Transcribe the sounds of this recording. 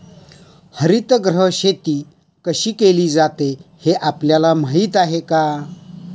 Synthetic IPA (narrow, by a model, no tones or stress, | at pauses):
həɾit̪ɡɾəɕet̪iː | kəɕiːkeliːd͡zat̪eheʔapljalamaɦiːt̪aɦeka